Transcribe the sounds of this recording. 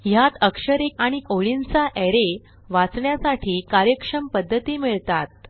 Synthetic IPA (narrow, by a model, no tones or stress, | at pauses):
ɦjat̪əkʂəɾekaɽ̃ikoɭint͡saʔɛɾe | ʋat͡sɳjasaʈʰiːkaɾjəkʂəmpəd̪ʱːət̪iːmiɭt̪at̪̚